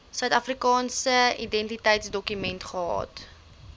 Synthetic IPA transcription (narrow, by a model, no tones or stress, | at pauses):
sœɥtɐfrikɑːnsəidɛntitəjtsdɔkymɛntχəɦɑ̰ːt